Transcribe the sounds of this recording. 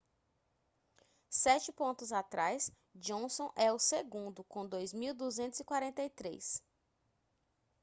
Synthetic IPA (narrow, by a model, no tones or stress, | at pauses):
sɛt͡ʃɪpõnt̪ʊzat̪ɾajs | d͡ʒõsõʔɛʊseɡũnd̪ʊkõd̪ojzmiwd̪uzẽnt̪ʊzɪkwaɾẽnt̪ejt̪ɾḛs